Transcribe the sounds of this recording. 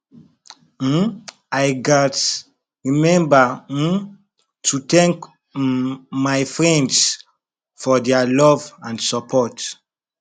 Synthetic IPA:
ajɡat | ɹimɛ̃mba | tʰut̪ɛ̃ŋk | majfɹɛ̃nds | fɔdɛalɔvãndsɔpʰɔt

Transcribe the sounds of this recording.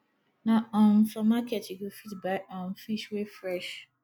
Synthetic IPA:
naɔn̩fɔmakɛtiɡofitbaɪʔɔn̩fiʃwefɾɛʃ

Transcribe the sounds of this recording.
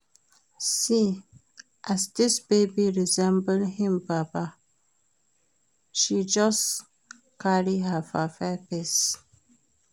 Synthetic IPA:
si | ʔæzd̪ɪsbebiɹizɛ̃mbəlhɪ̃mbapa | ʃid͡ʒʌs | kaɹiɦəfafɛpes

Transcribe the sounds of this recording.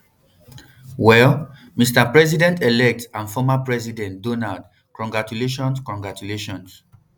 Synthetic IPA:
wɛl | mistapɹɛzidɛ̃ntelɛk̚tãnfɔmapɹɛzidɛ̃ntdɔnald | kɔ̃ŋɡɹat͡ʃuleʃ̬ɔ̃nskɔ̃ŋɡɹatuleʃɔ̃ns

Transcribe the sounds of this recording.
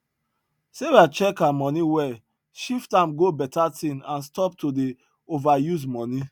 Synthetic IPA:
sewat͡ʃɛkamɔ̃niwɛ | ʃiftãmɡobɛtatĩnãnstɔp̚tode | ovajuzmɔni

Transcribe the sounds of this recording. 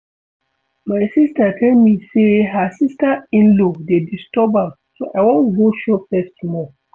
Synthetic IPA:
maɪsistatʰɛlmiseɦasistaĩnlodedistɔbãm | soʔawɔ̃nuɡoʃɔfɛstumɔ

